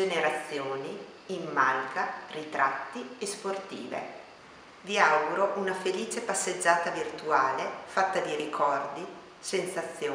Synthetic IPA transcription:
eneɾat̪sːjoːniː | mːalɡarit̪ɾat̪ːiesport̪ḭːvḛ | viawɡuɾoʔunafeliːt͡ʃepasːed͡ʒːaːt̪avirt̪uaːlefat̪ːad̪iɾikʰɔrd̪i | sensat̪sːjoː

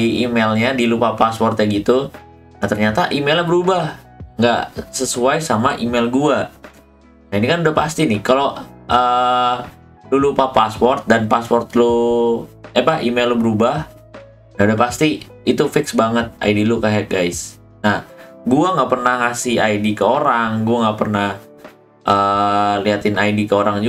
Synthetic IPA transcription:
iʔimelɲadilupapaspɔrt̪ɲaɡit̪u | nat̪ərɲat̪aʔimelabəɾubah | ŋɡa̰ʔsəsuajsamaʔimelɡua | nainikanudapast̪inɪhkaloʔəː | lulupapaspɔrt̪̚danpaspɔrt̪lo | apaimelobəɾubah | naudahpast̪i | it̪ufɪksbaŋət̪̚a̰idilukaɦaɡajs | nahɡuaŋɡaʔpərnahŋasɪhajdikəoɾaŋɡuaŋɡapərnah | ʔəliat̪ɪnajdikəoɾaŋd͡ʒu

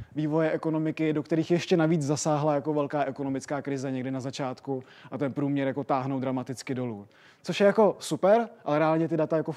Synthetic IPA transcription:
viːvo̞jɛʔɛko̞no̞mɪkɪdo̞kt̪ɛɾiːxjɛʃcɛnaviːd͡zzasaːɦlajako̞vɛlkaːʔɛko̞no̞mɪt͡skaːkɾɪzɛɲɛɡdɪnazat͡ʃaːt̪ku | ʔat̪ɛnpɾuːmɲɛɾjako̞t̪aːɦnowdɾamat̪ɪt͡skɪdo̞luː | t͡so̞ʃjɛjako̞supɛɾʔalɛɾɛaːlɲɛt̪ɪdat̪ajako

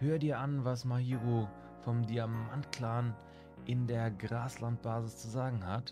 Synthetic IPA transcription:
høːʁədiːɐʔanvasmahiːʁo | fɔmdiamantkl̥aːn | ʔɪndeːɐɡʁaːslant̚b̥aːzɪst͡suzaːɡŋ̩hat

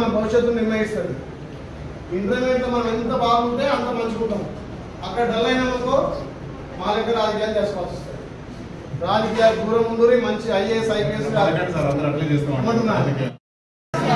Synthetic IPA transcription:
ɐnɐmbʱɐʋiʃɐt̪̬ːulniɾmɐjist̪ɐd̪i | ind̪ɾɐnent̪ɐmɐnɐment̪ɐbaːɡuɳʈ̪e̞ːɐnt̪ɐmɐɲt͡ʃikuːʈːɐmu | ɐkːɐɽɐɖɐlɐjnɐmɐt̪oː | maːlekːɐɾaːd͡ʒɐkijaːld͡ʒeːsɐkaːt̪ɔst̪ɐːɾi | ɾaːd͡ʒɐkiːjaːd̪ʱuːɾɐmund̪uɾimɐɲt͡ʃiɐjesɐjpiesɡaɐaɾɐnd̪ɐɾɐplid͡ʒeːskuɐmuʈunːaːɾ

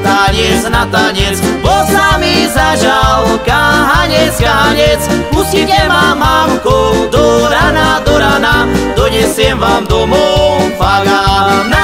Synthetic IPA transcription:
t̪aɲɛt͡snat̪aɲɛt͡sbɔsamizaʒalkaɦaɲɛt͡skaɦaɲɛt͡smusitɛmamaːmkod̪oɾanad̪ɔɾanad̪ɔɲɛsjɛmvaːmd̪ɔmɔfaɡa

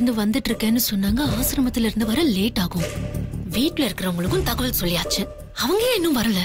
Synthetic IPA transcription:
nd̪ɯʋɐnd̪ɯʈːɪɾɯkːẽːnːɯsɔnːaːŋɡɐaːsɪɾɐmɐt̪ːɪlɪɾɯnd̪ɯʋɐɾɐleːʈːaːɣʊ̃ʋiːʈlɐɪɾɯkːɪɾɐʋʊŋɡɐɭɯkːɯ̃mt̪ɐɣɐʋɐlsɔlːɪjaːt͡ʃːɯ | ɐʋɐŋɡɐjẽːɛnːɯ̃mʋɐɾɐlɐ

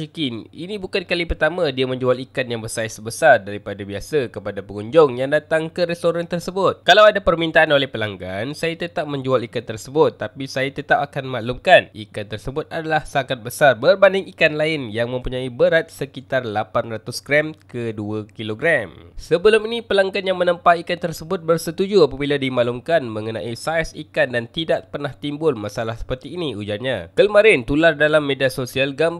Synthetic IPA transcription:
ikɪninĩbukankalipərt̪amãdiamə̃ɲd͡ʒualikanjaŋbəsaisəbəsardaɾipadabiasakəpadapəŋuɲd͡ʒʊŋjaŋdat̪aŋkəɾɛst̪oɾant̪ərsəbʊt̪̚kalawadapərmint̪aʔanolɛhpəlaŋɡansajat̪ət̪ap̚mə̃ɲd͡ʒualikant̪ərsəbʊt̪ːapisajat̪ət̪ap̚akanmaʔlumkanikant̪ərsəbʊt̪̚adalahsakat̪̚bəsarbərbandɪŋikanlaɪnjaŋmə̃mpuɲãibəɾat̪̚səkit̪arlapanrat̪ʊsɡɾɛmkəduakiloɡɾamsəbəlʊminipəlaŋkanjaŋmə̃nəmpaikant̪ərsəbʊt̪̚bərsət̪ud͡ʒuapabiladimaʔlʊmkanmə̃ŋənã̰ʔisajsikandant̪idaʔpərnaht̪imbʊlmasalahsə̥pərt̪iːniud͡ʒaɲakəmaɾɪnt̪ulardalamːediasosialɡam

